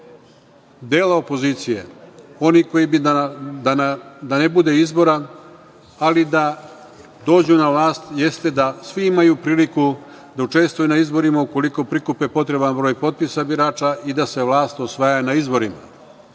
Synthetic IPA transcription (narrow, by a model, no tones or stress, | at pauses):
d̪eːlao̞po̞ziːt̪sije̞o̞niko̞jibid̪ad̪anebud̪e̞izbo̞ɾa | alid̪a | d̪o̞ːd͡ʑunavlˠaːst̪je̞st̪e̞d̪asʋiimajupɾiːliku | d̪aut͡ʃe̞st̪ʋujunaizbo̞ɾimauko̞liko̞pɾikupepo̞t̪ɾe̞banbɾo̞ːjpo̞t̪̚pisabiɾaːt͡ʃaʔid̪ase̞ʋlˠaːst̪osʋajanaizbo̞ɾima̰